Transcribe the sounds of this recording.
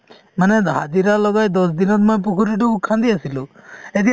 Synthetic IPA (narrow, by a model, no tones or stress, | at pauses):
maneɦad̪iɾalɔɡajd̪ɔs̬d̪inɔt̪̚mɔjp̬ukʰuɾiʈuukʰːand̪iasilued̪i